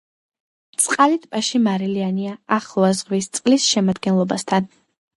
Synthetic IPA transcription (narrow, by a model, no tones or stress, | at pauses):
t̪sʼqʼalit̪ʰpʼaʃimaɾilianiaaχlˠɔazʁvist̪sʼqʼlisʃɛmad̪ɡɛnlˠɔbast̪ʰan